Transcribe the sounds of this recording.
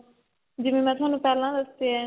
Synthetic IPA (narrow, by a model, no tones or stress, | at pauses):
d͡ʒɪʋẽːmɛ̃ːt̪ʰʊɦaːnũːpɛːlãːd̪əsd̪eɛː